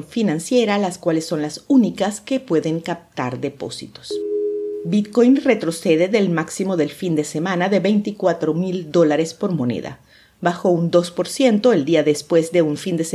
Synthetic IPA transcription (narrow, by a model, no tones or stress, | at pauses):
nfinãnsje̞ɾalaskwalesːo̞nlasunikaske̞pwe̞ðe̞ŋkap̚t̪aɾðe̞po̞̰sḭt̪o̥s | bit̪ko̞jnre̞t̪ɾo̞se̞ðeðe̞lmaksimo̞ðe̞lfind̪e̞se̞mãnaðe̞βe̞jnt̪ikwat̪ɾomild̪o̞laɾe̞spo̞ɾmo̞nḛða̰ | baxo̞und̪o̞spo̞ɾsje̞nt̪o̞e̞ld̪iaðe̞spwe̞zðe̞uɱfind̪ese